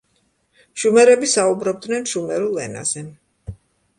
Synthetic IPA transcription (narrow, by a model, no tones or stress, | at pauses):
ʃumɛɾɛbisaubɾɔb̚d̪nɛnʃumɛɾulˠɛ̰na̰z̥ɛ